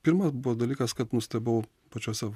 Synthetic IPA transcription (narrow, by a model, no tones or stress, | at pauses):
pʲɪːɾmɐsbuʋɔd̪ɐlʲiːkɐskɐt̪nʊsʲt̪ʲɛbɐʊ | pɐt͡ʃʲoːsʲɛ